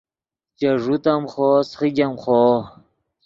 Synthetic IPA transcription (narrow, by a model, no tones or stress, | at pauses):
t͡ɕɐʐut̪ɐmχoːsχid͡ʑɐmχoː